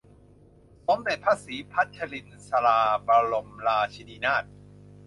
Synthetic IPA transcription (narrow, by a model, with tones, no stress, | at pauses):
so˨˦mde˨˩t̪̚pʰaː˧˥˨siː˩˦pʰa˦˥t̪̚t͡ɕʰa˧li˧nsa˧laː˧pa˧lo˧mlaː˧t͡ɕʰi˧diː˧naː˥˩t̪̚